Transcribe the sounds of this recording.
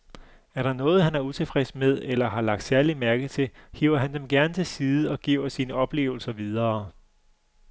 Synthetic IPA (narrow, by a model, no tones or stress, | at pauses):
æɐɾ̥ɑ̈nɔ̽ːð̞̩ˠɦænæɐut͡sʰe̝fʁɛsmeð̞ˠelɐɦɑ̈lɑ̈ɡ̥̚d̥sæɐlimæɐɡ̥ðt͡sʰe̝hḭʊ̰ɐɦænd̥emɡ̥æɐnət͡sʰe̝lsiːðˠɒ̽ɡ̥iʊɐsiːnəɒ̽b̥le̝̰ːʊl̩sɐʋið̞ˠɐː